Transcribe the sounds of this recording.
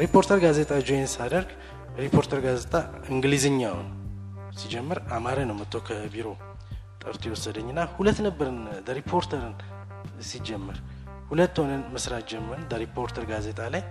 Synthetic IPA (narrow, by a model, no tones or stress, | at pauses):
ɾipʰːo̞ɾt̪ʰəɾɡaze̞t̪ʼad͡ʒojensad̪əɾɡ | ɾipʰo̞ɾt̪ʰəɾɡazet̪ʼa | ɨŋɡlizɨɲːaw̰n | sid͡ʒɛmːɨɾamaɾənəwmət̪ʰːo̞kʰəbiɾo̞ | t̪ʼə̰ɾt̪ʰojɛwɔsːəd̪əɲːɨnːahulət̪ːnəbːəɾɨnləɾipʰo̞ɾt̪ʰəɾɨn | sid͡ʒːɛmːɨɾ | hulət̪ːhonənmɨsɾat̪d͡ʒɛməɾndəɾipʰo̞ɾt̪ʰəɾɡaze̞t̪ʼalaj